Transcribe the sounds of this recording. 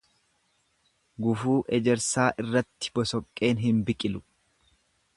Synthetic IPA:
ɡʊfuːʔɛd͡ʒɛɾsaːʔɪrːɐt̪ːɪ̥bɔsɔkʼːe̞ːnɦɪmbɪkʼɪlʊ

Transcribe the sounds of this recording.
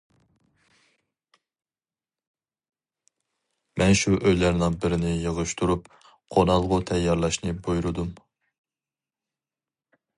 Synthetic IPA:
mɛnʃuʔøjlæɾnɪŋbɪɾɪnɪjəʁʊʃt̪ʰuɾup | qʰonɑlˠʁʊt̪ʰɛjːɑɾlˠɑʃnɨbojɾd̪um

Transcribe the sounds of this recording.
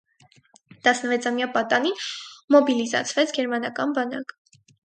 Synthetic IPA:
t̪ɑsnəvɛt͡sʰɑmjɑpɑt̪ɑninmɔbilizɑ̰t͡sʰvɛt͡sʰɡɛɾmɑnɑkɑnbɑnɑ̰k

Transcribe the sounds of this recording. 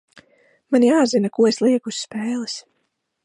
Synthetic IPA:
manjaːzinakuɔeslˠiɛkusʲspɛːlˠis

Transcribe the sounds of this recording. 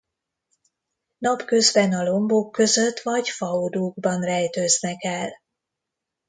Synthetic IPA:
nɒpkø̞zbɛnɒlo̞mbokːø̞zø̞t̪ːʋɒɟfɒod̪uːɡbɒnrɛjt̪øːznɛkɛl

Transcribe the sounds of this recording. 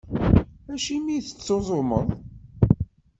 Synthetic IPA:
æʃimiθə̥t͡sːozˤoməðˤ

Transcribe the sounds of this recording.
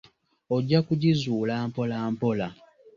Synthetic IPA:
oɟːakuɟizuːlaːmpo̞laːmpola

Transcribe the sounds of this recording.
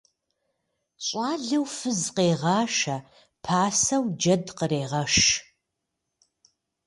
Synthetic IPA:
ɕʼɑːɮɐwfɨzqeːʁɑːʃɐ | pʰaːsɐwd͡ʒɐdqəreːʁɐʃ

